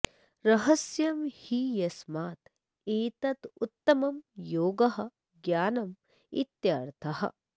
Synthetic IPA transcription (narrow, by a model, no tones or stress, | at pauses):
ɾɐɦɐsjɐmhijɐsmaːt̪ | eːt̪ɐt̪ut̪ːɐmɐmjoːɡɐɦɐ̆ | ɡjaːnɐm | it̪jaːɾt̪ʰɐɦɐ̰